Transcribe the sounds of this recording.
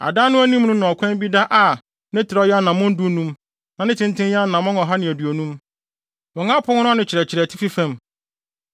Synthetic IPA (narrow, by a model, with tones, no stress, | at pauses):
a̰˨daː˦nʊ̃˦æ˦nĩ˦m˦nʊ̃˦nʊ̃˨ɔ˨kʷʰɛ̃˦m˦bi˦da˦ʔa˨ | nɪ̃˦tʰɪ˨ɾɔ˦ja˦nːã˨mʊ̃˦n̩˦dʊ˦nũ˦m | nã˨nɪ̃˦tʰɪ̃˦ntʰɪ̃˦nja˦nːã˨mʊ̃˦nɔ˨ɦa˦nɪ̃˨æ˨dɥo˨nũ˦m | wɔ̃˨ŋã˦pʰʊ˦ŋʊ̃˦nʊ̃˦nɪ̃˨t͡ɕʰɪ˨ɾɛ˨t͡ɕʰɪ˨ɾɛ˨tʰɪ˦fi˦fæ̃˦m